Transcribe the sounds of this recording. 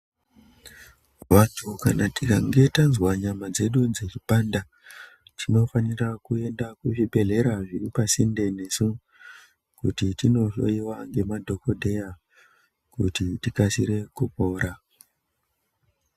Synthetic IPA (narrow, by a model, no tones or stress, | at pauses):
watʰuka̰natikaŋɡe̞tanzwaɲamad͡ze̞ɗud͡zet͡ʃiɓanda | tino̞fanirakue̞ndakuʐiɓe̞ɮe̞ɾaʐiripasinde̞ne̞su | kutitino̞ʃo̰iwaŋɡe̞madʱo̞ko̞dʱe̞ja | kutitikasiɾe̞kupo̞ːɾa